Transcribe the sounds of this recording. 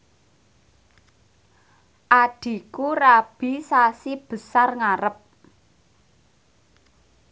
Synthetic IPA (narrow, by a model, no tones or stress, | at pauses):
ʔaɖ̥i̤kurab̥i̤sasib̥ə̤sarŋaɾəp̚